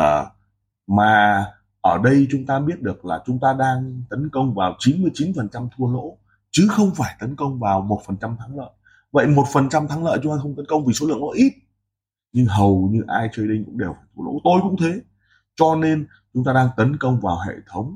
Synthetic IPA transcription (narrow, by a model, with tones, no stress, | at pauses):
əː˨˩ | maː˨˩ | ʔəː˧˩ɗə˧jt͡ɕʊ˨˦ŋ͡mt̪aː˧ɓi˦˥ət̚ɗɨ˨˩ək̚laː˨˩t͡ɕʊ˨˦ŋ͡mt̪aː˧ɗaː˧ŋt̪ə˨˦nkə˧wŋ͡mvaː˨˩wt͡ɕi˨˦nmɨ˧əjt͡ɕi˨˦nfə˨˩nt͡ɕa˧mt̪ʰu˧əlo̰˧˥ | t͡ɕɨ˨˦xə˧wŋ͡mfaː˧˩jt̪ə˨˦nkə˧wŋ͡mvaː˨˩wmo˨˩t̚fə˨˩nt͡ɕa˧mt̪ʰaː˨˦ŋlə̰ː˧˨ | və̰˧˨jmo˨˩t̚fə˨˩nt͡ɕa˧mt̪ʰaː˨˦ŋlə̰ː˧˨t͡ɕʊ˨˦ŋ͡mt̪aː˧xə˧wŋ͡mt̪ə˨˦nkə˧wŋ͡mvi˨˩so˨˦lɨ̰˧˨əŋnɔ̰˨˧˦ʔi˦˥t̚ | ɲɨ˧ŋɦə˨˩wɲɨ˧ʔaː˧jt͡ɕəː˧jɗə˧ŋ̟kʊ̰˧˥ŋ͡mɗe˨˩wfaː˧˩jt̪ʰu˧əlo̰˧˥t̪o˧jkʊ̰˧˥ŋ͡mt̪ʰe˨˦ | t͡ɕɔ˧ne˧n | t͡ɕʊ˨˦ŋ͡mt̪aː˧ɗaː˧ŋt̪ə˨˦nkə˧wŋ͡mvaː˨˩wɦḛ˧˨t̪ʰə˨˦wŋ͡m